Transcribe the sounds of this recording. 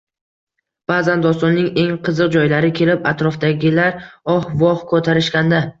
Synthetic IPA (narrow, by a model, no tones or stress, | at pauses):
b̥aːzand̪ɒst̪ɒnːɪŋe̞ŋqʰɨzɨq̚d͡ʒɒjlaɾɪkʲʰe̞lɪpat̪ɾɒfd̪aɡʲɪlaɾɒhvɒhkʰɵt̪ʰaɾɪʃkʲand̪a